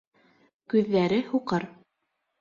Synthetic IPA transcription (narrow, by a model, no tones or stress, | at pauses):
kʉðːæɾɘhuqɤɾ